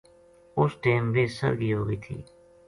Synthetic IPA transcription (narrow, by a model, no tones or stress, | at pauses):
ʊsʈeːmʋeːsə̰ɾɡiːɦoːɡəiːt̪ʰḭː